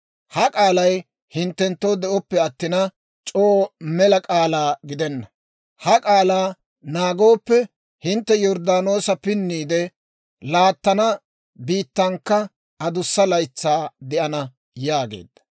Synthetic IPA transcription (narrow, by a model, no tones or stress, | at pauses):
hɐkʼaːlɐj | hɪnt̪ːɛnt̪ːoːd̪ɛʔɔpːɛɐt̪ːɪnɐ | t͡ʃʼoːmɛlɐkʼaːlaːɡɪd̪ɛnːɐ | hɐkʼaːlaː | naːɡo̞ːpːɛ | hɪnt̪ːɛjɔɾd̪aːno̞ːsɐpɪnːiːd̪ɛ | laːt̪ːɐnɐ | biːt̪ːɐŋkːɐ | ɐd̪ʊsːɐlɐjt͡sːaːd̪ɛʔɐnɐ | jaːɡḛːd̪ːɐ̥